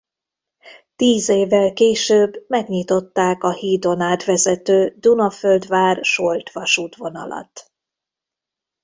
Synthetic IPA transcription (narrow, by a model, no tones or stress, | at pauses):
t̪iːzeːvːɛlkeːʃøːbːmɛɡɲit̪o̞t̪ːaːkɒhiːd̪o̞naːt̪ʋɛzɛt̪øːd̪unɒføld̪ʋaːrʃolt̪ʋɒʃuːt̪ʋo̞nɒ̰lɒ̰t̪